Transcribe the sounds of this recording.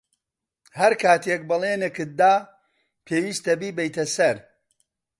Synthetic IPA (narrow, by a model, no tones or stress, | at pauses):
hɐɾkʰaːt̪ek̚bɨlˠeːnɨkɨt̪̚d̪aː | pʰeːwiːst̪ɐbiːbɛjt̪ʰɐsɐɾ